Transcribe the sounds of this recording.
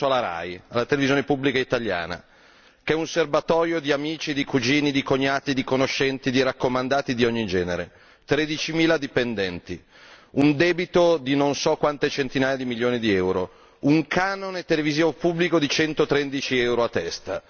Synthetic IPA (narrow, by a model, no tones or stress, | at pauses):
laɾa̰jalːat̪elevizjoːnepubːlikait̪alja̰ːna̰ | keɛunservat̪ɔːɾjod̪iamiːt͡ʃid̪ikud͡ʒiːnid̪ikoɲːaːt̪id̪ikonoʃːɛnt̪id̪iɾakːomand̪aːt̪id̪iɔɲːid͡ʒɛːneɾe | t̪ɾed̪it͡ʃimiːlad̪ipend̪ɛnt̪i | und̪ɛːbit̪od̪inonsɔkːwant̪et͡ʃent̪inaːjad̪imiljoːnid̪iɛwɾo | uŋkaːnonet̪eleviziːvopublikod̪it͡ʃɛnt̪ot̪ɾɛnd̪it͡ʃiɛwɾoat̪ːɛst̪a